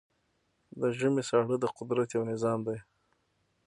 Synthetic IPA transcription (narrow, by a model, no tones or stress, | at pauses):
d̪əʒəmesɑɽəd̪əqʊd̪ɾat̪jawnɪzɑmd̪aj